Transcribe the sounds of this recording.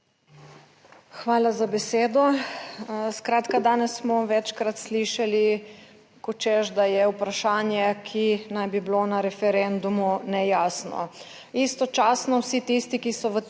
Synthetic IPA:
xʋaːlazabɛseːd̪ɔ | skɾaːt̪kad̪aːnɛsːmɔʋɛt͡ʃkɾat̪sliːʃali | kɔt͡ʃɛʒd̪ajɛupɾaʃaːnjɛkʰinajbiblonaɾɛfɛɾɛnd̪umunɛjaːsnɔ̰ | ist̪ɔt͡ʃaːsnɔwsit̪ist̪ikisɔʋə

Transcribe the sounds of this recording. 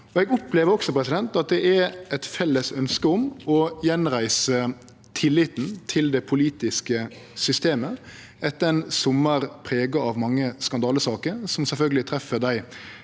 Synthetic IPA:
ɔɛɡʊpleːʋəɾɔksɔpɾɛsɪd̪ɛnt̪ɑt̪̚d̪ɛʔæɾɛt̪fɛlːəsœnskəɔmɔjɛnɾæɪsə | t̪ʰɪlːɪt̪n̩t̪ʰɪld̪ɛpʰʊliːt̪ɪskə | sʏst̪eːmə | ɛt̪ːəɾɛnsʊmːəɾpʰɾeːɡɑɑʋmɑŋːəskɑnd̪ɑːləsɑːkəɾsɔmsɛlfœlɡəlɪt̪ʰɾɛfəd̪æɪ

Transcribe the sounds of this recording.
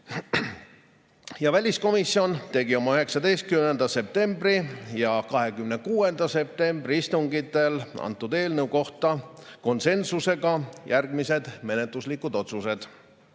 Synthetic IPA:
jɑvælʲisko̞misːio̞nt̪e̞ɡio̞mɑyɦe̞ksɑd̪e̞jst̪̚kymnend̪̥ɑse̞p̚t̪e̞mbrijɑkɑɦe̞kymne̞kuːe̞nd̪̥ɑse̞p̚t̪e̞mbriist̪uŋɡit̪ːˑe̞lɑ̰nt̪ːˑud̪e̞ːlnewko̞ht̪ɑ | ko̞nse̞nsuse̞ɡɑjærɡ̥mise̞d̪̥me̞net̪ˑluslikːˑud̪o̞t̪suse̞d̪̥

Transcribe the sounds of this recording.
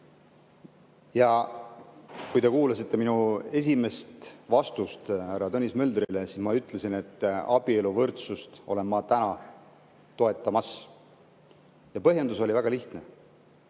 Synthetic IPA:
jɑ | kujt̪e̞kuːlɑsit̪ːe̞minue̞s̬ʲime̞st̪vɑst̪ust̪hærːɑt̪onʲːismø̞ld̪̥ɾilesismɑyt̪ːˑle̞sine̞t̪ːˑɑb̥ie̞luvɤrt̪sust̪o̞̰le̞nːɑt̪ænɑ | t̪o̞e̞t̪ːˑɑmɑs | jɑpɤɦjend̪uso̞lʲivæɡ̥ɑliht̪ne̞

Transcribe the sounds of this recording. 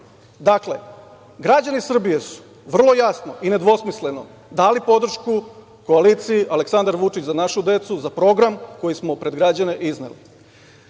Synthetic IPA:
d̪akle̞ | ɡɾad͡ʑanisr̩bije̞su̥ | ʋr̩lˠo̞jasnoine̞d̪ʋo̞smisle̞no̞ | d̪aːlipo̞d̪r̩ʃku | ko̞alit̪siiʔaleksand̪aɾʋut͡ʂit͡ɕzanaʃud̪e̞t̪suzapɾo̞ɡɾamko̞jismo̞pɾe̞d̪ɡɾad͡ʑane̞ʔiznḛli

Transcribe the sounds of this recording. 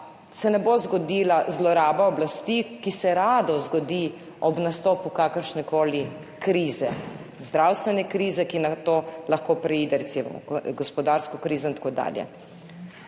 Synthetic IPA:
sɛnɛbozɡɔd̪iːlazlɔɾaːbaɔblast̪ikisɛɾaːd̪ɔzɡɔd̪i | ɔbnast̪ɔːpukakəɾʃnɛkoːli | kɾiːzɛzd̪ɾaːwst̪ʋɛnɛkɾiːzɛkinat̪oːlaxkoːpɾɛiːd̪ɛɾɛt̪simɔ̰mɔ̰ɡɔspɔd̪aːɾskɔkɾiːzɔint̪ḁkoːd̪a̰ːljɛ̰

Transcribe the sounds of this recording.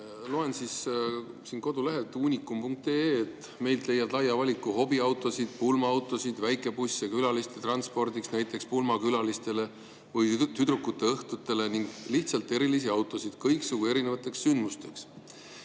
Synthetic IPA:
lo̞ːe̞nsis | sinko̞d̪̥uleɦet̪ːˑuːnʲikːˑumpuŋk̚t̪eet̪ːˑ | me̞jlt̪le̞jːɑd̪̥lɑjːɑvɑlʲikːˑuɦo̞biɑwt̪ˑo̞sid̪̥̚pulmɑɑwt̪ːˑo̞sid̪̥væjkˑe̞pusʲːekylɑlist̪et̪rɑnspo̞rd̪iksnæjt̪ˑːe̞kspulmɑkylɑlist̪e̞le̞ | vɤjt̪yd̪ɾukːˑut̪ːe̞ɤht̪ut̪ːˑe̞le̞niŋɡ̥liht̪sɑlt̪ːˑe̞ɾilis̬iɑwt̪ːˑo̞sid̪̥kɤjksuɡ̥ue̞ɾine̞vɑt̪ːˑe̞kssynd̪must̪e̞ks

